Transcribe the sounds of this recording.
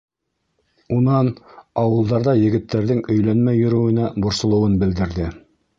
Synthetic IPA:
unɑnɑwɤ̆lˠd̪ɑɾðɑjɘ̆ɡɘ̆t̪ːæɾðɘŋɵ̆jlænmæjːɵ̆ɾɵ̆wɘ̆næbŏɾsŏlˠɤ̆wɤnbɘ̆ld̪ɘ̆ɾðɘ

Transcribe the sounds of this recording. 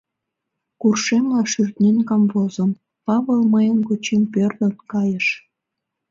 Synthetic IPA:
kurʃemlɑʃyrt̪nenkɑmvozəm | pɑβəlməjənkot͡ɕempørd̪ə̆nkɑjəʃ

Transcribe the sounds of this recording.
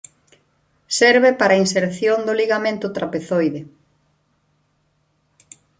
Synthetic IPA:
sɛɾβepaɾainseɾθjond̪ʊliɣamẽnt̪ʊt̪ɾapeθojðɪ

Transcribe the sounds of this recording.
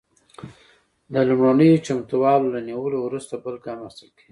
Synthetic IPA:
d̪əlumɽanəjot͡ʃamt̪uwɑlolaniwəlowɾust̪abəlkɑməst̪əlkeɡi

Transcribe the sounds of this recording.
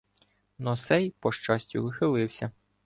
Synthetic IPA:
nɔsɛjpɔʃt͡ʃɑsʲtʲʊʋɪxɪlˠɪwsʲɐ

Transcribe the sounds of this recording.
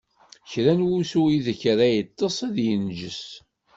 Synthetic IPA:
çɾænwusuiðəçɾæjət̪ˤːəsˤæðjənʒəs

